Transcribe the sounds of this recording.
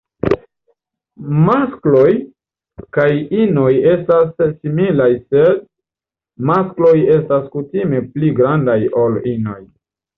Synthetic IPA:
masklo̞j | kajino̞je̞stasːimilajsed̚ | masklo̞je̞staskutime̞pliɡɾandajolino̞̰j

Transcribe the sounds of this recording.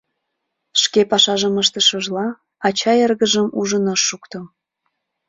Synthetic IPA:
ʃkepɑʃɑʒəməʃt̪əʃəʒlɑ | ɑt͡ɕɑjerɣəʒəmuʒənəʃːukt̪ɤ

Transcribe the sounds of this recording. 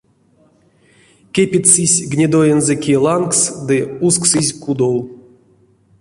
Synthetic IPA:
kʲepʲisɨsʲɡnʲid̪ojɛnzɛkʲilˠanksd̪ɨusksɨzʲkud̪ow

